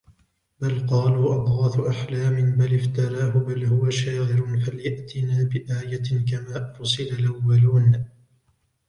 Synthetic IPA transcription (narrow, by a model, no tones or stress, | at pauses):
balqɑːluːʔɑd̪ˤɣɑːθʊʔaħlaːmɪnbalɪft̪ɑɾˤɑːɦʊbalhʊwaʃaːʕɪɾʊfaljaʔt̪ɪnaːbɪʔaːjakamaːfʊsˤɨlalʔawːaluːn